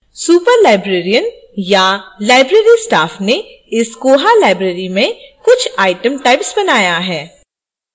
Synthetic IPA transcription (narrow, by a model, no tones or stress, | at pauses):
suːpəɾlaːɪbɾeːɾijən | jalaːɪbɾeːɾisʈaːfne | ɪskoːɦalaːɪbɾeːɾimẽkʊt͡ʃʰaːɪʈə̃mʈaɪpsbɐnaːjaɦɛː